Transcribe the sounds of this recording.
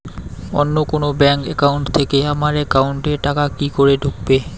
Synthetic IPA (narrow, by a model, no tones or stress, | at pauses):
o̰nːokonobɛŋkɛkawɳʈt̪ʰekeamaɾɛkawɳʈeɾʈakakikoɾeɖʱuk̚be